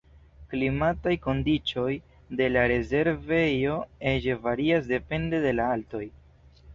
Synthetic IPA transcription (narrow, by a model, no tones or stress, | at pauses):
klimatajko̞ndit͡ʃo̞j | de̞laɾe̞ze̞ɾve̞jo̞e̞d͡ʒevaɾiasde̞pe̞nde̞de̞laalto̞j